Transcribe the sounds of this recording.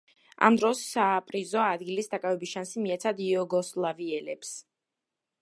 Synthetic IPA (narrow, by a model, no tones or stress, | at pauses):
a̰md̪ɾɔsːaːpʼɾizɔad̪ɡilisd̪akʼavɛbisʃansimiat̪sʰad̪iɔɡɔslˠaviɛlɛps